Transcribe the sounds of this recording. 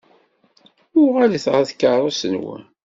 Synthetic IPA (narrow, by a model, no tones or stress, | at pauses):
ʊʁaliθʁəθkːərˤosənwæ̰